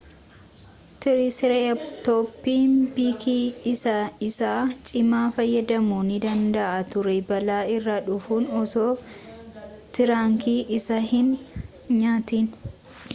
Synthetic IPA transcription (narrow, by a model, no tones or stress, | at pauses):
t̪ɪɾɪsɾɛt̪oːpːiːnbiːkʰiːɪsɐɪsaːt͡ʃʼɪmaːfɐjːɐd̪ɐmuːnɪd̪ɐnd̪ɐʔat̪ʊɾɛbɐlaːɪrːaᶑʊfuːnɔsoː | t̪ɪɾaːŋkiːʔɪsɐhɪn | ɲaːt̪iːn